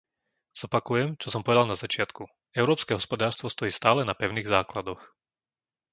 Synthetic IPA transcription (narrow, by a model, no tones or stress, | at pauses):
z̥ɔpakujɛmt͡ʃɔsɔmpɔʋɛd̪alˠnazat͡ʃɪat̪ku | ɛʊɾɔːpskɛɦɔspɔd̪aːɾst̪ʋɔst̪ɔjiːst̪aːlɛnapɛʊniːɣzaːklad̪ɔx